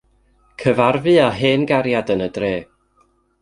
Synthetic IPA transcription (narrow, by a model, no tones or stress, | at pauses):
kʰəvarvɨaɦeːnɡaɾjadənədreː